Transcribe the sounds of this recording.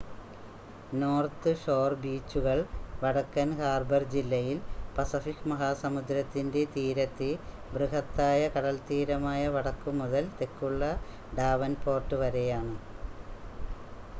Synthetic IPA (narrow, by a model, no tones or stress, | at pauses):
no̞ːrt̪ɨʂoːrbiːt͡ɕːuɣɐɭʋɐɽɐkːɐnhaːrbɐrd͡ʑilːɐjilpɐsɐfikmɐɦaːsɐmud̪ɾɐt̪ːinde̞t̪iːɾɐt̪ːi | brɨɦɐt̪ːaːjɐkɐɽɐlt̪iːɾɐmaːjɐʋɐɽɐkːumːuðɐlt̪e̞kːuɭːɐ | ɖaːʋɐnpo̞ːrʈːɨʋɐɾe̞jaːɳɨ